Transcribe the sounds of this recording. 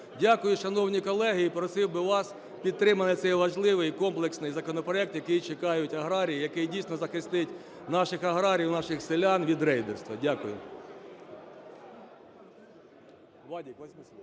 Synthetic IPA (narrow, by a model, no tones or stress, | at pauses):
dʲakʊjʊʃɐnɔwnʲikɔlˠɛɦɪipɾɔsɪwbɪʋɑs | pʲid̪̚t̪ɾɪmɐnɪt̪sɛjʋɐʒlˠɪʋɪjkɔmplˠeksnɪjzɐkɔnɔpɾɔɛk̚t̪jɐkɪjt͡ʃekɑjʊtʲɐɦɾɑɾʲijijɐkɪjdʲijsʲnɔzɐxɪst̪ɪtʲ | nɑʃɪxɐɦɾɑɾʲiwnɑʃɪxsɪlʲɑnʋʲid̪ɾɛjd̪erst̪ʋɐdʲakʊjʊ̰ | ʋɑdʲikʲ